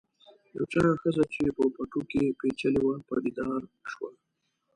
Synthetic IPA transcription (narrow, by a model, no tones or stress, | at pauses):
ja̰wt͡ʃɑɾaxəzat͡ʃepəpaʈokepet͡ʃaliwɑlpɑ̰d̪id̪ɑɾʃwa